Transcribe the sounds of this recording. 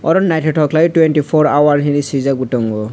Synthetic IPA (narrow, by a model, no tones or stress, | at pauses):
ɔ̰ɾɔnnajtʰɔtʰɔklatwɛntipʰɔɹawaɹɦinisizaɡutɔŋɡɔ